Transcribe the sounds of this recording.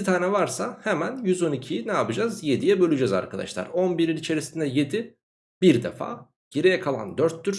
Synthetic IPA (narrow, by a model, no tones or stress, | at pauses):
it̪ʰaːnɛvaɾsahɛmænjyzo̞nicʰijnɛapɯd͡ʒazjed̪ijɛbø̞lʲyd͡ʒɛza̰ɾkʰad̪a̰ʃlˠa̰ɾo̞nbiɾinit͡ʃʰe̞ɾisind̪ɛje̞d̪i | biɾd̪ḛfa̰ː | ɟ̥eɾijɛkʰalˠa̰nd̪øɾt̪ːyɾ